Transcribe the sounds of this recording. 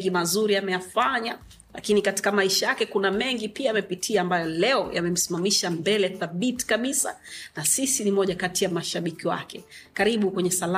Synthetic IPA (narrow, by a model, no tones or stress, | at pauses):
ɡimazuɾiamɛjafaɲa | lʔa̰kinikati̥kamaiʃajakɛkunamɛŋɡipiaamɛpitʰiaːmbajɔlɛɔja̰mɛm̩simamiʃambɛlɛθaɓiti̥kaɓisa̰nasisinimɔʄakatijamaʃaɓikiwa̰kɛkaɾiɓukwɛɲɛsala